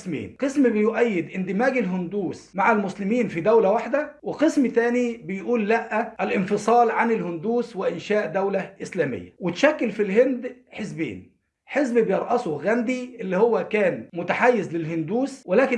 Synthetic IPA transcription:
smḛːnqesmbɪjʊʔæjːɪd̪ʔɪnd̪ɪmæːɡɪlɦʊnd̪uːsmaʕalmʊslɪmiːnfid̪æwlæwaħd̪æwɪqɨsmt̪æːnibɪjʔuːlːæʔːæʔælʔɪnfɨsˤɑːlʕanɪlhʊnd̪uːswɪʔɪnʃæːʔd̪æwlæʔɪslæːmɪ̰jːæ̰wɪt̪ʃækːɪlfilɦɪnd̪ħezbḛːn | ħezbbɪjɑɾˤʔɑsʊɣænd̪iʔɪlːihowːækæːnmʊt̪aħajːɪzlɪlhʊnd̪uːswɪlæːkɪ

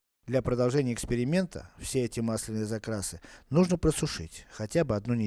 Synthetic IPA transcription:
d̪lʲapɾəd̪ɐlˠʐɛnʲɪəɪkspʲɪɾʲɪmʲe̞nt̪ʰə̰fsʲeɛtʲɪmaslʲɪnɨjəzɐkɾasɨnuʐnəpɾəsʊʂɨ̰tʲxɐtʲabɨɐd̪nunʲɪ

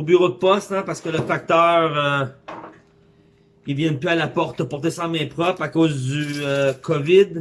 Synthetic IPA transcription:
byʁod̪̚əpɔst̪ɛ̃paʁsə̥kələfak̚t̪œːʁø | ilvjɛ̃pyalapɔʁt̪əpɔʁt̪esɑ̃mɛ̃pχɔpakoːzd̪yøkʰɔvɪd̪

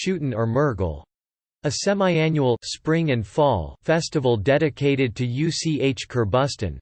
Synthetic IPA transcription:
ʃʉʔn̩ə˞mɜ˞ɡl̩ˠ | ɨsɛmaɪæ̃njul̩ˠspɹɪ̃ŋɨ̃nfɔlˠfɛstəvl̩ˠdɛɾɨkʰeɪɾɨd̚tʰɨjʉsieɪt͡ʃkʰə˞bʌstɨ̰̃n

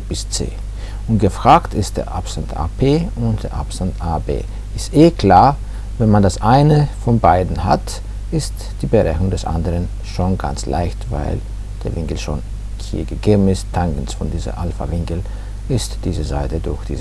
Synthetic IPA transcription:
b̥ɪst͡sḛː | ʊntɡ̥əfʁ̥aːktʰɪst̚d̥ḛːɐʔa̰pz̥antʔa̰ːpʰeːʊntd̥eːɐʔa̰psantʔaːbḛː | ʔɪstʔeːkl̥aːɐ | vɛnmandasʔaɪnəfɔnbaɪdn̩ha̰t | ʔɪst | d̥iːbəʁɛçʊŋdɛsʔa̰ndəʁən | ʃoːnɡa̰nt͡slʔa̰ɪçtva̰ɪl | d̥eːɐvɪŋkl̩ʃo̰ːn | hḭːɐɡəɡeːbm̩ɪsttʰaŋkn̩sfɔndiːzɐ̰ʔalfa̰vɪŋkl̩ | ʔɪstd̥iːzəza̰ɪtədʊɐçd̥ḭːz

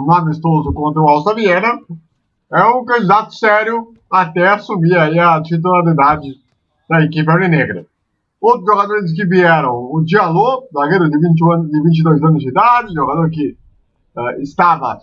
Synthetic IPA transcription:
mamist̪ozʊkõnt̪ɾɐuawst̪ɾɐviɛnɐ | ɛũkɐ̃d͡ʒid̪at̪ʊ̥sɛɾjʊ | at̪ɛasumiaiɐt͡ʃit̪̬ulaɾid̪ad͡ʒɪ | d̪̥ɐekip̬ɪɛɾineɡɾɐ | owt̪ɾʊzʒoɡad̪oɾɪs̬k̬ɪviɛɾɐ̃w̃ʊd͡ʒialopzaɡejɾʊd̪ɪvĩnt͡ʃɐ̃nd̪ɪvĩnt͡ʃɪd̪ojzɐ̃nʊzid̪ad͡ʒɪʒoɡad̪oɾk̬ɪ | ɛɪst̪avɐ̰

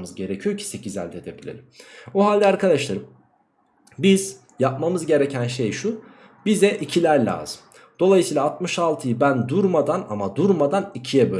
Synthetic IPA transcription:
mɯzɟe̞ɾecʰijocʰi̥se̞cʰizæ̰lʲd̪ɛd̪ebilʲḛɾʲimoɦalʲd̪ɛaːɾkʰad̪aʃlˠaɾɯm | biz̥ | jap̚mamɯzɟe̞ɾecʰænʃe̞jʃu | bizɛʔicʰilʲæɾlʲa̰ːzɯm | d̪̥o̞lˠajɯsiːlˠaːt̪̚mɯʃalˠt̪ʰɯjɯbænd̪uɾmad̪anamad̪uɾmad̪anicʰijɛbø

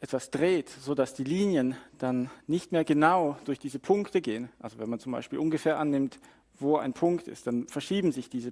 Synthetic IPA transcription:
ʔɛtv̥asd̥ʁeːtz̥oːdasd̥iːliːnjənd̥anːɪçtmeːɐɡənaʊd̥ʊɐçd̥iːzəpʰʊŋktəɡeːənʔalzovɛnmant͡sʊmba̰ɪʃpiːlʔʊnɡəfeːɐʔanːɪmt | voːa̰ɪnpʰʊŋktɪ̰st̚d̥anfɛɐʃiːbm̩zɪçd̥iːzə

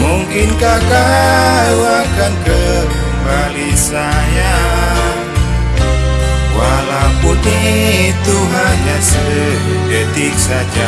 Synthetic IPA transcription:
muŋkɪnkakaluakankərkəmbalisaja | walabudit̪umaɲasə | d͡ʒet̪ik̚sad͡ʒa

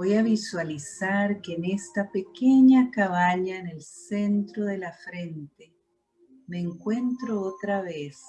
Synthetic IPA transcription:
ojaβiswalisaɾkeːne̞st̪ape̞keɲakaβ̞aɲaene̞lsent̪ɾo̞ðe̞lafɾe̞nt̪e | meːŋkwe̞nt̪ɾoot̪ɾaβes

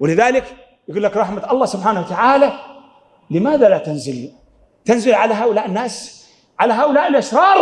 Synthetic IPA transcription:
wɪlɪðaːlɪk | jɪɡuːlːakɾˤɑħmat̪ʔɑlˤːɑːhsʊbħaːnawat̪aʕaːla | lɪmaːðalat̪anzɪl | t̪anzɪlʕalaɦaːʔʊlaːʔɪnːaːs | ʕalaɦaːʔʊlaːʔɪlʔɪʃɾˤɑːɾˤ

